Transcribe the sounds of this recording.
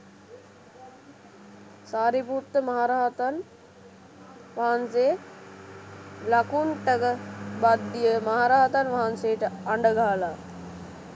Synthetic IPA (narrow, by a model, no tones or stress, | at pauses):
saːɾiput̪ːəmaɦaɾaːt̪an | ʋaɦanse | lakuɳʈəkəbad̪ːijəmaɦaɾaːt̪anʋaɦanseəʈəaɳɖəɡaːla